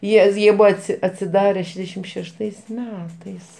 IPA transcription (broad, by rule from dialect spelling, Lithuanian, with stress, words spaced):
ˈjiɛ ˈjiɛ ˈbʊɐ ˈɑːtʲsʲɪ ɐtʲsʲɪˈdɑːrʲɛ ˈʃʲæːʒʲdʲɛʃʲɪm ʃʲɛʃˈtɐɪs ˈmʲæːtɐɪs